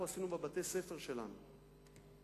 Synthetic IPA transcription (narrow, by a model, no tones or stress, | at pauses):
uasinubebat̪e̞jse̞feʁʃe̞la̰nu